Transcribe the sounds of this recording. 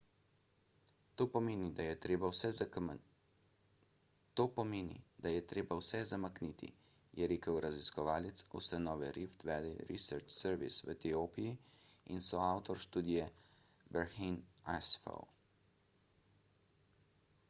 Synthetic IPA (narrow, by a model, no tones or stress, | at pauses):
t̪oːpɔmeːnid̪ajɛt̪ɾeːbawsɛ | t̪oːpɔmeːnḭd̪ajɛt̪ɾeːbawsɛzamakniːt̪ʰḭ | jʔɛɾeːkəwɾaziskɔʋaːlɛt̪sṵst̪anɔːʋɛɾift̪ʋɛːd̪iɾḭsəɾt͡ʃsɛɾʋḭsʋə̰t̪ioːpijiinsɔawt̪ɔɾʃt̪uːd̪ijɛ | bɛɾxinasfɔ̰w